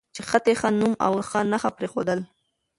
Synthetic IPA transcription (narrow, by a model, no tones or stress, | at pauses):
t͡ʃexat̪exanuma̰wxanaxapɾexod̪əl